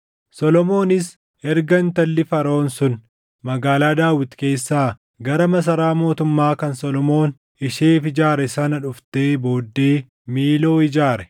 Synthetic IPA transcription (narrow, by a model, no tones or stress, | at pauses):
sɔlɔmo̞ːnɪs | ɛɾɡɐnt̪ɐlːɪfɐɾo̞ːnsʊn | mɐɡaːlaːd̪aːwɪt̪ke̞ːsːaː | ɡɐɾɐmɐs̬ɐɾaːmo̞ːt̪ʊmːaːkɐnsɔlɔmo̞ːn | ɪʃeːfɪd͡ʒaːɾɛsɐnɐᶑʊft̪e̞ːbo̞ːd̪ːe̞ː | miːlo̞ːɪd͡ʒaːɾɛ